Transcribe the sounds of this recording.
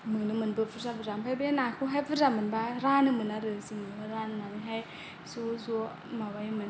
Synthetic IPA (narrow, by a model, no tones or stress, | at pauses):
mɯnɯmɯnbɯpʰɯzabʰɯzampʰajbenakʰɯɦajpʰɯzamɯnbaɾanɯmɯnaɾɯsiŋɯɯɾanɯnaɾɯŋɦaj | suzu | mawajmɯn